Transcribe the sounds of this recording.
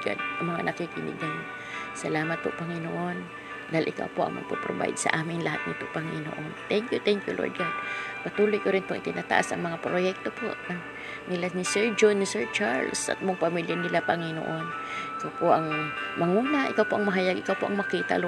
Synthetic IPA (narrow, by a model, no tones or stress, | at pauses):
ɡa̰d̪̚ɐŋmɐŋa̰nɐkikinḭɡan | sɐlaːmat̪̚pʊ̰ʔpɐŋɪnoʔon | d̪aɪlʔɪka̰wpoʔɐ̰ŋmɐ̰ɡ̚po̰pɾoba̰j̰d̪̚sɐ̰ʔaːmɪŋlɐhat̪̚ɲɪp̪ʊʔpɐŋɪno̰ʔont̪ɛŋkjʊt̪ɛŋkjulʔo̰ɹd̪̚ɡad̪̚pɐt̪uːlojkoɾɪnpoʔɪ̰t̪ɪnʔaːt̪a̰ʔa̰sɐ̰ŋmɐŋapɾojɛk̚t̪opo̰ʔ | nɪlanɪsɛɹd͡ʒonːɪsɛɹt͡ʃaɹlsʔa̰t̪̚moŋpɐmiljanɪlapɐŋɪno̰ʔonʔʔɪkawpoʔɐŋmɐŋuːnaʔɪkawpoʔɐŋmɐɦajaɡʔɪkawpoʔɐŋmɐkiːt̪a̰l